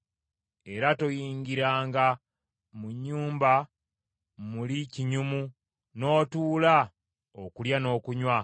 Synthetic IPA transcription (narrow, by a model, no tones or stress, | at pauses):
e̞ɾato̞jiːɲɡiɾaːŋɡa | muɲːuːmba | muliciɲumu | no̞ːtuːla | o̰kuljano̞ːkuɲwa